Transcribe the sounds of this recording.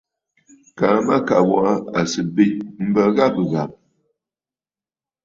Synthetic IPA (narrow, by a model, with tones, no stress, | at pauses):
ka˨˦ma˦ka˨wa˦˨˦a˨sɨ˨be˦t̚m̩˦bə˦ɣa˦bə˨ɣa˨m̚